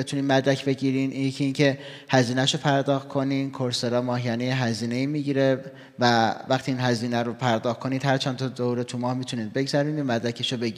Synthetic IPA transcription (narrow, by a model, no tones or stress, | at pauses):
bet̪ʰuniːnmæd̪ɾæcʰbe̞ɟiːɾininjcʰiiːncʰe̞ | hæziːnæʃopʰæɾd̪ɒːxt̪̚kʰo̞niːnkʰoɾseɾɒːmɒːɦjænejeɦæziːne̞iːmiːɟiːɾe | vævæxt̪ʰiːnɦæziːnæɾopʰæɾd̪ɒːxkʰo̞niːd̪hæɾt͡ʃʰænt̪ʰɒd̪ouɾet̪ʰumɒːhmiːt̪ʰuniːn̚be̞ɡzæɾiːnmæd̪ɾæcʰeʃobe̞ɟi